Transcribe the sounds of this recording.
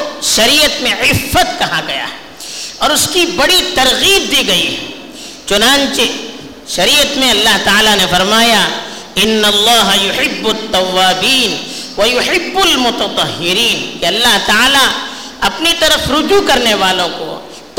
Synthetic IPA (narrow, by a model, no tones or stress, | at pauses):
ʃɐɾiːət̪mẽʕɪfːət̪̚kɐɦãɡɐja̰ɦɛ | ɔːɾʊskibɐɽit̪ɐɾɣiːb̚d̪iːɡɐiɦɛ | t͡ʃʊnãːnt͡ʃe | ʃɐɾiːət̪mẽɐlːaɦt̪aaːlanefɐɾmaːja | ɪnːɐlˤːɑːɦɐjʊħɪbːʊt̪ːɐwːaːbiːn | wɐjʊħɪbːʊlmʊt̪ɐt̪ˤɑɦːɪɾiːnkeɐlːaɦt̪aaːla | ɐpnit̪ɐɾəfɾʊd͡ʒukɐɾneʋaːlõko̰ | t̪